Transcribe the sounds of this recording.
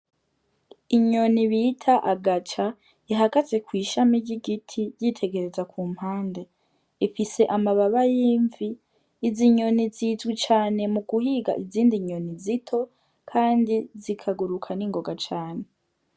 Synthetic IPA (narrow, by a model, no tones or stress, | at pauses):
iɲo̞niβiːtʰaʔaɡat͡ʃa | iɦaɡaze̞kwiːʃamiɟiɡitʰiɾjitʰe̞ɡe̞ɾe̞zakuːm̥haːnde̞ | ifise̞ʔamaβaβajiːɱviː | ziɲo̞nizizɡit͡ʃaːne̞muɡ̥uhiɡa̰ʔiziːndiɲo̞nizitʰo̞ | kʰaːndizikʰaɡuɾukʰaniːŋɡo̞ɡat͡ʃaːne̞